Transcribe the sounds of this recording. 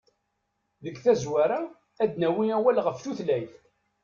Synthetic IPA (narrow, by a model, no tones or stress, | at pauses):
ðəɡθæzwæɾa | æd̪næwiæwælʁəfθuθlæjθ